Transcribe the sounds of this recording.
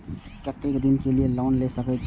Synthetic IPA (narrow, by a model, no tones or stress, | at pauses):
kət̪ːekd̪inkelielɔnlesəkʰət͡ʃʰ